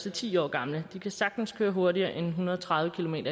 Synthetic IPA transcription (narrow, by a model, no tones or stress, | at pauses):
sɒt͡sʰḭːɒ̰ːɡ̥ɑ̈mləd̥ikʰæsɑ̈ɡ̥d̥n̩skʰøːɐɦoɐɾiɐːʔenɦunɐð̞ˠɒt͡sʰʁɑ̈ð̞ˠʋəkʰilo̝me̝̰ːɾɐ